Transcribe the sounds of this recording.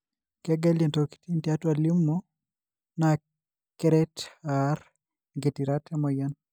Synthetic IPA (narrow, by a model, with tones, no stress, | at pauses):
kɛ˦ɡɛ˦lɛ˨ntoki̥ti˦ntia˦twa˨li˦mːo | na | kɛ˦ɾɛ˦tar | ɡe˨ti˨ɾa˦tʰɛ˦mɔ˨ja˦n